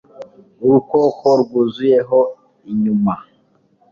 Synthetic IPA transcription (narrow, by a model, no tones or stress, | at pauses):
uɾukokoɾuɡuzujeɦo | iɲuma